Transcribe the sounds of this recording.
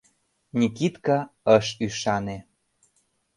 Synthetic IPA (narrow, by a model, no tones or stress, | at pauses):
nʲikit̪kɑəʃyʃɑne